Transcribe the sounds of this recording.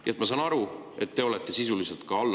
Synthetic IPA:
jʔet̪mɑsɑːnɑɾue̞t̪ːe̞o̞let̪ːˑe̞sisulise̞lt̪̚kɑɑlː

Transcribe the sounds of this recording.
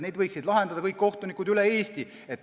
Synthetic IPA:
ne̞jd̪vɤjksid̪lɑɦe̞nd̪̥ɑd̪ɑkɤjkːo̞ht̪unikːˑud̪ylee̞ːst̪i | et̪ː

